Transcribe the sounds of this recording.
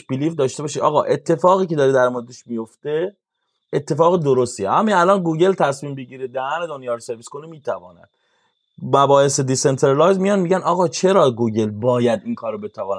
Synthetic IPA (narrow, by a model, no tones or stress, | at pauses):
biliːfd̪ɒːʃt̪e̞bɒːʃid̪ɒ̰ːɣɒːʔe̞t̪ʰːe̞fɒːɣiːce̞d̪ɒːɾid̪æɾmoɾed̪eʃmijo̞ft̪e̞ | et̪ʰːe̞fɒːɣed̪oɾost̪ieʔæminælɒːnɡuːɟe̞lt̪ʰæsmiːmbeɟiːɾed̪æɣæned̪onjɒːɾose̞ɾvisko̞niemiːt̪ʰævɒ̰ːnæ̰d̪̥ | mæbɒːese̞d̪ise̞nt̪ʰeɾelɒːjzmijɒnmiɟænɒːɣɒːt͡ʃʰe̞ɾɒːɡuːɟe̞lbɒːjæd̪ʔinkʰɒːɾobe̞t̪ʰævɒːn